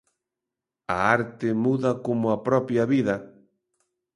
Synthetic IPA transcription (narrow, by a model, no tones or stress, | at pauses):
ɐ̰aɾt̪ɪmuðɐkomʊɐpɾɔpjɐβiðɐ